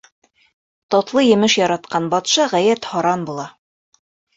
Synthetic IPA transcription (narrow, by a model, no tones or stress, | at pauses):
t̪ɒt̪lˠɤjɘ̆mɘʃjɒɾɑt̪̚qɑnbɒt̪ʃɑʁæjæt̪hɒɾɑnbulˠɑ